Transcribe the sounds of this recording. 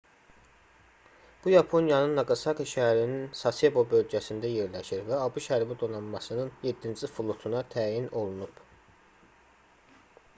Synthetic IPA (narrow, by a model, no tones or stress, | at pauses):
b̥ujɑpʰo̞njɑnɯnːɑɡɑsɑkɯʃææɾininsɑsebo̞bø̞lɟæsind̪æje̞ɾlæʃiɾvæɑbuʃæɾbid̪o̞nɑnmɑsɯnɯnjed̪ːind͡ʒifulˠut̪ʰunɑt̪ʰæːjino̞lˠunub̥